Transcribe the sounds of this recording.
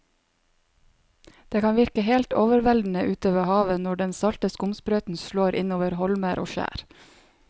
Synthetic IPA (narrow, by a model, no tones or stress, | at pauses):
d̪̥eːkʰɑːnʋɪɾkəheːlt̪oːʋəɾʋɛld̪n̩əʔʉːt̪oːʋəhɑːʋənɔɖɛnsɑlt̪əskʊmspɾœːt̪n̩ʃloːɾʔɪnoːʋəɾhɔlməɾʔo̰ːʃæ̰ːɾ